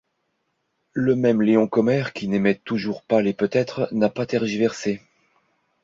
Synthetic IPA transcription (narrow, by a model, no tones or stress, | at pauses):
ləmɛmleɔ̃kɔmɛʁkʲʰinemɛt̪ːuʒuʁpalepøt̪ɛt̪χnapat̪ɛʁʒivɛʁse